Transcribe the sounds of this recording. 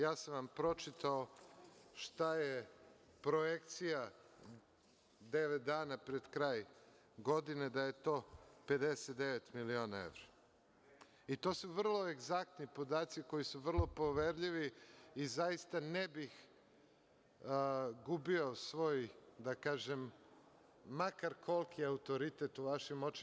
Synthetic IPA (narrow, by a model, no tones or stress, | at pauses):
jaːsanʋampɾo̞t͡ʃit̪ao | ʃt̪aje | pɾo̞jekt̪sija | d̪e̞ʋet̪̚d̪aːnapɾed̪kɾaːj | ɡo̞d̪ined̪aje̞t̪o̞ːpe̞d̪eset̪d̪eʋet̪milio̞ːnaḛʋɾa | it̪o̞suʋr̩lˠo̞e̞ɡzak̚t̪nipo̞d̪aːt̪siko̞jisuʋr̩lˠo̞po̞ʋeɾʎiʋiːzajist̪anebix | ɡubio̞sʋo̞ːjd̪akaːʒemː | akaɾkʰo̞lˠkʰiaut̪o̞ɾit̪et̪uʋaʃimo̞t͡ʃ